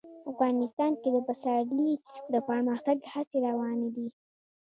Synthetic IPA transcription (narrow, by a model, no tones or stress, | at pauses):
afɣɑnɪst̪ɑnked̪əpəsadlid̪əpəməxt̪aɡhat͡seɾawɑned̪i